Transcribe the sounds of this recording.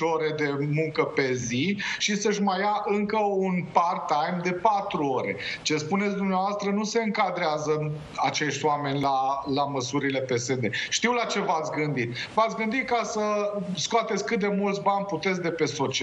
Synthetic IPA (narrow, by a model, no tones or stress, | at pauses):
oɾe̞d̪e̞muŋkəpe̞ziʃisəʃmajaʔɨŋkəunpart̪ajmd̪e̞pat̪ɾuo̞ɾe̞̰t͡ʃe̞spunes̬ʲd̪umneavast̪ɾənuse̞ɨŋkad̪ɾeazə | at͡ʃe̞ʃt̪ʲwame̞nʲlalaməsuɾile̞pe̞se̞d̪e̞ʃt̪iwlat͡ʃe̞vat̪sʲɡɨnd̪it̪vat̪sɡɨnd̪it̪̚kasəskoat̪et̪sʲkɨt̪̚d̪e̞mult̪sʲbanʲput̪et̪s̬ʲd̪e̞pe̞so̞t͡ʃ